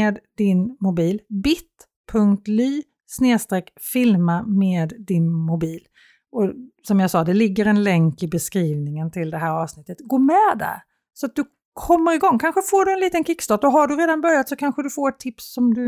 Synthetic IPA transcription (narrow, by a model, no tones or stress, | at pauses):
eːd̪d̪ɪnmʊbiːlbɪt̪ | pʰɵŋkt̪lyː | sneːst̪ɾɛːkfɪlmameːd̪ːɪnmʊbiːl | ʔɔsɔmjɑsɑːd̪ɛlɪɡːəɾɛnlɛŋkɪbɛskɾiːvnɪŋənt̪ʰɪld̪ɛɦæːɾɑːvsnɪt̪ːət̪ɡoːmɛd̪æ̰ɾ | sɔat̪̚d̪ɵ | kʰɔmːəɾɪɡɔŋːkʰanɧəfoːɖɵɛnliːt̪ənkɪkːst̪ɑːʈɔɦaɖɵɾeːd̪anbœɾjat̪sɔkʰanɧəd̪ɵfoːɾɛt̪ʰːɪpsːɔmd̪ɵ